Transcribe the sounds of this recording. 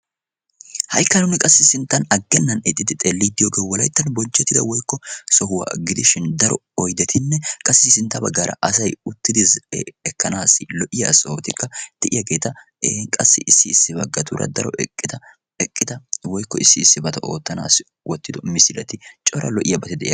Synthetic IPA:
hɐjkːɐnʊnɪkʼɐsːɪsɪnt̪ːɐnɐɡːɛnːɐnɛt̪ʼːɪd̪ɪt̪ʼelːid̪ɪjoːɡeːwɔlɐjt̪ːɐnbɔnt͡ʃːɛt̪ːɪd̪ɐwɔjkːɔsɔɦʊwa̰ɡɪd̪ɪʃɪnd̪ɐɾɔɔjd̪ɛt̪ʰɪnːɛkʼɐsːɪsɪnt̪ːɐbɐɡːaːɾʔɐ̰ʔɐs̬ɐjʊt̪ːɪd̪ɪzɛkːɐnaːsɪlɔʔɪjɐsɔot̪ɪkːɐd̪̥ɛʔɪjɐɡe̞ːt̪ɐ | eŋkʼɐsːɪʔɪsːɪːsːɪbɐɡːɐt̪ṵːɾɐ̰d̪ɐɾɔ̰ɪd̪ɐ | ɛkʼːɪd̪ɐwɔjkːɔɪsːɪːsːɪbɐt̪ɐʔoːt̪ːɐna̰ːsɪ | wɔt̪ːɪd̪ɔmɪsɪlɐt̪ɪt͡ʃʼɔɾɐ̰lɔʔɪjɐbɐt̪ɪd̪ɛʔj

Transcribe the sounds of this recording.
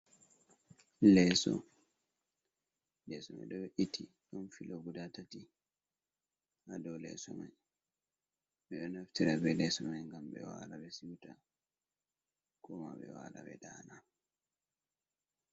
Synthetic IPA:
lɛsɔ̰ | lɛsɔma̰ɗɔbɛʔitʰːi | ɗɔnfiloɡudatati | hadɔwlɛ̰sɔmaj | ɓɛɗɔnaftiɾabɛlɛsɔmajŋɡambɛ̰wa̰ɾabɛsiwta | kɔmaɓɛwaɾabɛdana

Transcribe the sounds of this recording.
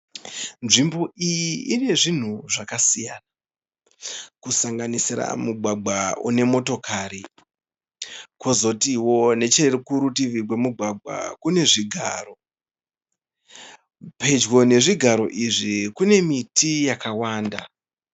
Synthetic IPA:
nʐimbo̞ʔijiːne̞ʐin̤uʐakasijana | kusaŋɡanisiɾa̰muɡʱwaɡ͡bʱaṵne̞mo̞to̞kʰaɾi | kozo̞tiwo̞ne̞t͡ʃerkuɾutiʋiɡwe̞muɡʱwaɡ͡bʱwa̰kune̞ʐiɡʱa̰ːro̞ | pʰe̞d͡ʒwo̞ne̞ʐiɡʱaɾo̞ʔiʐikune̞mitijakawaːnda̰

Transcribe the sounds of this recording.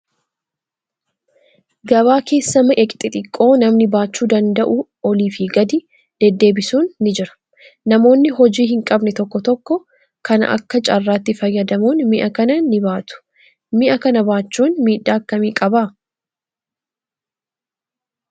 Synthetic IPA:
ɡɐβaːke̞ːsːɐmɐʔɛkʼt̪ʼɪt̪ʼɪkʼːo̞ːnɐmnɪbaːt͡ʃːuːd̪ɐnd̪ɐʔʊ | ɔliːfɪɡɐd̪ɪ | d̪̥ɛd̪ːe̞ːbɪsuːnːɪd͡ʒɪɾɐ̥ | nɐmo̞ːnːɪɦɔd͡ʒiːɦɪŋkʼɐbnɛt̪ɔkːɔt̪ɔkːɔ | kʰɐnɐ̰ʔɐ̰kːɐt͡ʃʼɐrːaːt̪ːɪfɐjːɐd̪ɐmuːnmɪʔɐkɐnɐnːɪbaːt̪ʊ̥ | mɪʔɐkɐnɐbaːt͡ʃːuːnmiːᶑːaːɐkːɐmiːkʼɐbaː

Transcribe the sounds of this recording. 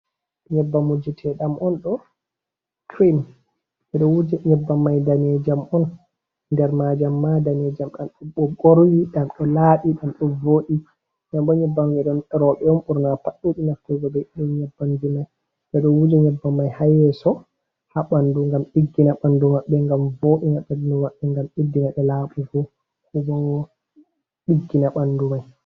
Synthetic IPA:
ɲɛbːamud͡ʒɛtʰɛɗamʔɔnɗɔ | kʰɾim | ʔɛɗɔwud͡ʒɛɲɛbːamːajdanɛd͡ʒamʔɔn | ndɛɾmad͡ʒamːadanɛd͡ʒamɗamɗɔɓɔɓoɾwiɗamɗɔlaɗiɗamɗɔvoɗi | ɲamɓɔɲɛbːandud͡ʒɛɗɔnɛɾɔɓɛɔmɓuɾnapaɗːuɗinaftɛɡɔbɛɗɔnɲɛbːandimaj | dɛɗɔwud͡ʒɛɲɛbːamːajhajɛsɔ | haɓanduŋɡamɓiɡːinaɓandumaɓːɛŋɡamvoːɗinaɓɛdndumaɓːɛŋɡamedːinaɗɛlaːɓuɡɔ | kuɓɔnɔ | ɓiɡːinaɓandumaj

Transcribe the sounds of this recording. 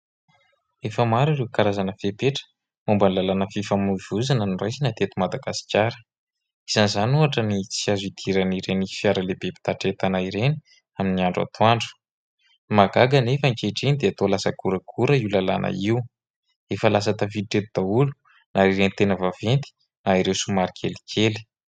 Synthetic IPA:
efəmaɾirewkaɾazanəfepeʈ͡ʂə̥ | umbanlalanəfifamuv̥uzanənirajsinat̪et̪umad̪aɡasi̥kʲaɾə̥ | iz̥anizanuaʈ͡ʂənit͡siazuit̪ʰiɾaniɾenifiaɾəlebepi̥t̪aʈ͡ʂet̪anaiɾeni̥ | aminiaɳɖ͡ʐa̰t̪ʰoaɳɖ͡ʐu̥ | maɡaɡanefəŋkeʈ͡ʂenid̪eat̪olasəkuɾəkʰuɾəiwlala̰nʔə̰iu | efəlas̬at̪afiʈ͡ʂet̪ud̪̥aulu̥ | naiɾenit̪enəvavent̪i̥ | naiɾewsumaɾikʰeli̥kʲʰeli̥

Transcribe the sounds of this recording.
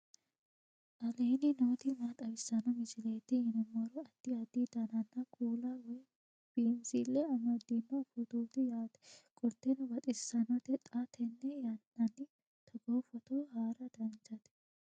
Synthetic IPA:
ʔɐleːnɪnoːt̪ɪmat̪ʼɐwɪsːɐnɐmɪd͡ʒɪleːt̪ːɪɪnɔmɔɾɔɐd̪̥ːɪɐd̪id̪ɐnɐnːɐkʼuːlawɔj | b̥iːnsilːɛɐmɐd̪ːinːɐfʊd̪uːt̪ɪjaːt̪ɛ̥kʼɔɾt̪ːɛnɐbɐt̪ʼɪsːɐnɐt̪ɛt̪ʼɐt̪ʰɛnːɛjɐnːɐnːɪ | t̪ʰɐɡoːfɐt̪ohaːɾɐd̪̥ɐnt͡ʃɐt̪ɛ̥

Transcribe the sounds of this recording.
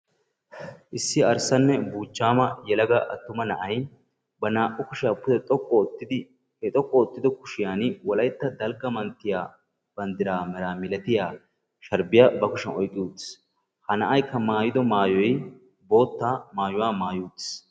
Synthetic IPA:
ʔɪsːɪɐɾsɐnːɛbuːt͡ʃːaːmɐjɛlɐɡɐʔɐt̪ːʊmɐnɐʔɐj | bɐnaːʔʊkʊʃɪjapːʊd̪ɛt̪ʼɔkʼːɔɔt̪ːɪd̪ɪ | hɛt̪ʼɔkʼːɔːt̪ːɪd̪ɔkʊʃɪjaːnwɔlɐjt̪ːɐd̪ɐlɡɐmɐnt̪ːɪjaː | b̥ɐnd̪ɪɾaːmɛɾaːmɪlɛt̪ɪjaː | ʃɐɾbɪjaːbɐkʊʃɐnɔjkʼːɪjuːd̪ɪ̥s | hɐnɐʔɐjkːɐmaːjɪd̪ɔmaːjɔj | bo̞ːt̪ːaːmaːjʊwaːmaːjuːd̪ɪ̥s

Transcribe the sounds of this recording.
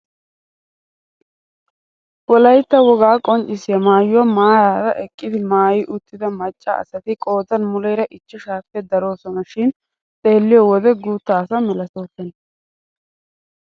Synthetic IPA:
wɔlɐjt̪ːɐwɔɡaːkʼɔnt͡ʃʼːɪsɪɐmaːjwɔmaːjaːd̪ɐ̰ʔɛkʼːɪd̪ɪmaːjɪʔʊt̪ːɪd̪ɐmɐt͡ʃʼːɐ̰ːsɐt̪ɪkʼo̞ːd͡z̪ɐnmʊlɛjɾɐʔɪt͡ʃːɛʃaːpːɛd̪ɐɾo̞ːsɔnɐʃɪn | t̪ʼe̞ːlːɪjɔwɔd̪ɛɡuːt̪ːaːsɐmɛlɐsoːt̪ːɛn

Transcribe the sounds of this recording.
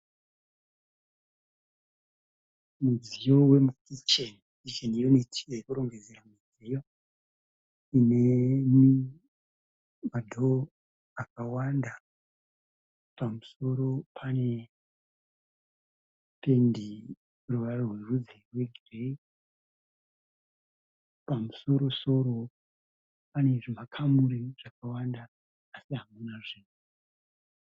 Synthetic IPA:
mud͡zijo̞we̞mukit͡ʃen | kit͡ʃenijonetʰi̥ejekuɾo̞ŋɡe̞d͡zeɾamid͡zejo | inemi | madʱo | ak̚awanda | pamuso̞ɾo̞pʰane̞ | pendi | ruʋarorwe̞rud͡zerwe̞ɡʱire | pamuso̞ɾo̞so̞ɾo̞ | pane̞ʐimakʰamuɾiʐ̥akawandaː | siɦamunaʐiːnu

